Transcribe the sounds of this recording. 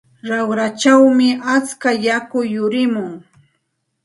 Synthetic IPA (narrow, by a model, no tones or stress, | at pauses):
ɾawɾat͡ʃawmɪʔat͡skajakʊjːʊɾɪmʊŋ